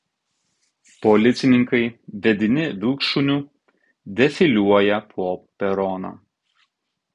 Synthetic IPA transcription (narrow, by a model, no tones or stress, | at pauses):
pɔlʲɪt̪sʲɪnʲɪŋkɐɪʋʲɛd̪ʲɪnʲɪʋʲɪlˠkʃunʲuː | d̪ʲɛfʲɪlʲuɔjɛpʰɔpʲɛɾɔno̰ː